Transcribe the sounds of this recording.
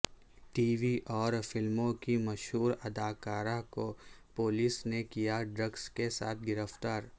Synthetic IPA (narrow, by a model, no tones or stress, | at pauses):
ʈiːʋiʔɔːɾfɪlmõkimɐʃɦuːɾɐd̪aːkaːɾãko | poːlisnekijaɖɾəɡskesa̰ːt̪ʰɡɪɾəft̪aːɾ